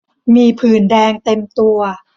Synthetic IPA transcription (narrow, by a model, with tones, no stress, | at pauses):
miː˧pʰɯː˨˩˦ndɛː˧ŋt̪e˧mt̪u˧ɐ